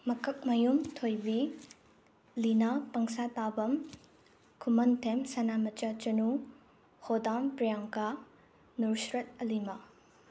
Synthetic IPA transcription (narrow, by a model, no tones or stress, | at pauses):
mɐkʰɐk̚mɐjumtʰojbi | linapɐŋsatabɐm | kʰumɐntʰemsɐnamɐt͡ʃat͡ʃɐnu | hodampɾijaŋka | nuɾsɾɐt̚ɐlimɐ